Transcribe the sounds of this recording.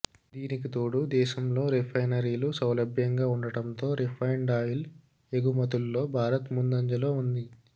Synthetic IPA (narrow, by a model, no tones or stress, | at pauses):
d̪iːnikit̪oːɽud̪ɛːʃɐmlo̞ːɾipʰɐjnɐɾiːlusɐwlɐbʱjɐŋɡaːuɳɖɐʈɐmt̪o̞ːɾipʰɐjɳɖaːjil | eɡumɐt̪ulːo̞ːbʱaːɾɐt̪mund̪ɐɲd͡ʒɐloːund̪i